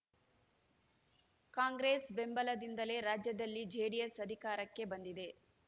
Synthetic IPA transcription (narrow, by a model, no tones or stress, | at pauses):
kaːŋɡɾeːsbe̞mbɐlɐd̪ind̪ɐle̞ɾaːd͡ʒjɐd̪ɐlːid͡ʒeːɽijesɐd̪ʱikaːɾɐkːe̞bɐnd̪id̪e̞